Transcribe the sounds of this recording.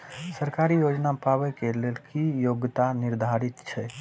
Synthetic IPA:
səɾkaɾijod͡ʒnapaβɛkelelkijoɡt̪aniɾd̪ʱaɾit̪t͡ʃʰɛ

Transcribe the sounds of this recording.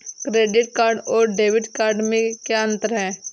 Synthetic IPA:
kɾeːɖɪʈkaːɾɖɔːɾɖeːʋɪʈkaːɾɖmẽkeə̃nt̪əɾɦɛː

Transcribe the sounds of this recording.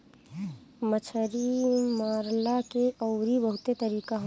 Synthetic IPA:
mət͡ʃʰəɾimaːɾlakeʔɔːʊɾibəɦʊt̪et̪əɾiːkaɦ

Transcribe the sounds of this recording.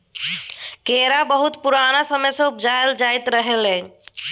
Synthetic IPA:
keɾabəɦut̪puɾanasəməjsə̃upd͡ʒaeld͡ʒajt̪ɾəɦeləɲ

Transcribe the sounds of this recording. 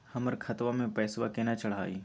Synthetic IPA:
hɐməɾkʰɐt̪ʋãmẽpɛːswakenat͡ʃɐɽɦaːḭː

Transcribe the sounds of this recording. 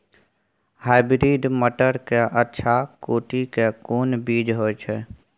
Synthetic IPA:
haːɪbɾiːɖməʈəɾkeʔətːʃʰakoːʈʰikekoːnbiːd͡ʒɦot͡ʃʰɛ

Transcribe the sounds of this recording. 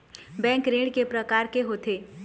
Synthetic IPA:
bɛ̃ːŋkɾẽːɖkepɾɐkaːɾkeɦoːt̪ʰeː

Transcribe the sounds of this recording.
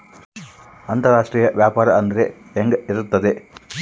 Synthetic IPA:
ɐnt̪ɐɾaːʂʈɾiːjɐʋjaːpaːɾɐɐnd̪ɐɾeːŋɡɐiɾut̪ːɐd̪e

